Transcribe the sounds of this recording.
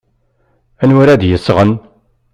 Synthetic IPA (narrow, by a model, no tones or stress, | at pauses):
ænɾæd̪jəsːʁən